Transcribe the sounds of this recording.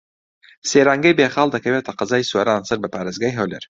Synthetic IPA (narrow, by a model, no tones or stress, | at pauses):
seːɾaːŋɡɐjbeːχɑːlˠd̪ɐkɐweːt̪ʰɐqɐzaːjsueɾaːnsɐɾbɐpaːɾezɡaːjɦɐwlḛɾ